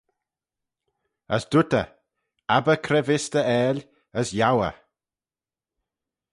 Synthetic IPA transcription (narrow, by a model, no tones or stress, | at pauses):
əsd̪ut̪ə̰ | abəkʰɾɛvɪst̪əɛːl | əsjawə̰